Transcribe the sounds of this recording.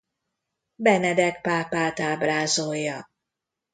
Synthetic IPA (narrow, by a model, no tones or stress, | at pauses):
bɛnɛd̪ɛkpaːpaːt̪aːbraːzojːɒ